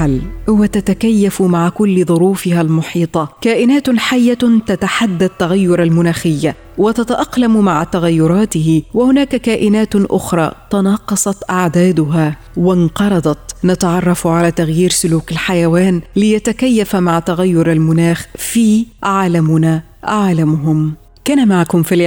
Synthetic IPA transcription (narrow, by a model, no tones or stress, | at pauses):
alhʊwat̪at̪akajːafmaʕkʊlːðˤʊɾuːfɪhalmʊħiːt̪ˤɑkaːʔɪnaːt̪ħajːat̪at̪aħad̪ːat̪ːaɣajːʊɾˤalmʊnaːxɪjːa | wɪt̪at̪aʔɑqlammaʕt̪aɣajːʊɾˤɑːt̪ɪhɪwɪhʊnaːkkaːʔɪnaːt̪ʔʊxɾˤɑ̰ːt̪ɑnɑːqɑsˤɑt̪ʔaʕd̪aːd̪ʊɦa | wɪnqɑɾˤɑd̪ˤɑt̪nat̪ɑʕɑrˤːɑfʕalaːt̪aɣjiːɾsʊluːkɪlħajawaːnlɪjat̪akajːafmaʕt̪aɣajːʊɾˤalmʊnaːxfiːʔaʕlamʊna | ʔaʕlamʊɦʊm | kaːnamaʕkʊmfil